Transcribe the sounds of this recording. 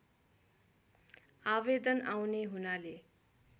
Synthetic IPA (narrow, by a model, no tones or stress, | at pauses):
aβed̪ʌnawneɦunale